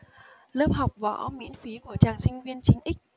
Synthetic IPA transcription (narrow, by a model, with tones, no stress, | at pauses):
ləː˦˥p̚ɦa˨˩wk͡p̚vɔ̰ː˨˧˨ʔmḭ˧˥ənfi˨˦ku˧˩ət͡ɕaː˨˩ŋsï˧ŋ̟vi˧ənt͡ɕï˧ŋ̟ʔï˦˥k̟̚